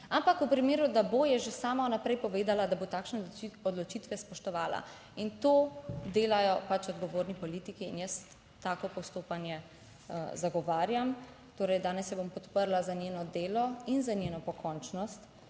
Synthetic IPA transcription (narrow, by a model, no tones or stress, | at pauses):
ampakupɾimeːɾud̪abojɛʒesaːmanapɾɛjpɔʋeːd̪alad̪abot̪aːkʃnɛɔd̪lɔt͡ʃiːt̪ʋɛspɔʃt̪ɔʋaːla̰ | int̪oːd̪eːlajɔpat͡ʃɔd̪ɡɔʋoːɾnipɔliːt̪ikiːnjəs | t̪aːkɔpɔst̪oːpanjɛ | zaɡɔʋaːɾjam | t̪oːɾɛjd̪aːnɛsjɛbompɔt̪pəɾlazanʲjeːnɔd̪eːlɔinzanʲjeːnɔpɔkʰɔnt͡ʃnɔst̪